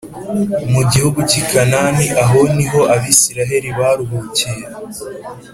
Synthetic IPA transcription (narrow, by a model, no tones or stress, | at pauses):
umuɟihuɡucikʰananiʔaɦo̞niɦo̞ʔaβiːsiɾaɦe̞ɾiβaɾuɦucije